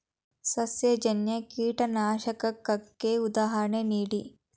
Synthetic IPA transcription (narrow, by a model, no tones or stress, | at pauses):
sɐsjɐd͡ʒɐnjɐkiːʈɐnaːʃɐkɐkːɐkːeud̪aːɦɐɾɐɳeniːɽi